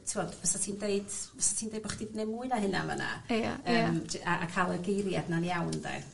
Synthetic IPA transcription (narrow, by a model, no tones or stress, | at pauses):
tʰiwɔdvəsatʰiːndejd̥vəsḁtʰiːndejd̚bɔχid̥idnemuɨnaɦɨna̰ma̰na̰aəːmaʔakʰalˠəɡejɾjadnanijawndɛ̰